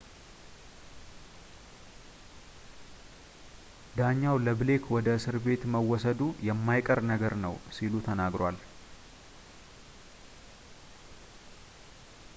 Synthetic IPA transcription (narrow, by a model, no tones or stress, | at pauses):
d̪aɲːawləble̞kʰwɔd̪əsɨɾbe̞t̪məwːɔsəd̪ujɛmːajkʼəɾnəɡəɾnəwsilut̪ʰənaɡɾal